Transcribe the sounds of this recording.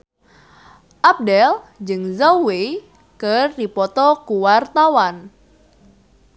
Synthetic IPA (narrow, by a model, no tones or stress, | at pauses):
ʔap̚dɛld͡ʒɨŋzawe | kɨrdipɔt̪ɔkuwart̪awan